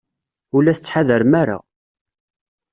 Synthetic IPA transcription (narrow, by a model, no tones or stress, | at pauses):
ulːæθət͡sːħaðəɾmæɾa̰